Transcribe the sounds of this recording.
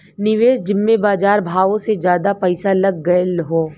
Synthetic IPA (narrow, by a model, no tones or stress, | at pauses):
nɪʋeːsd͡ʒɪmːẽbaːd͡ʒaːɾbʱaːʋõsed͡ʒjaːd̪apɐɪsalɐɡːɐlɦoː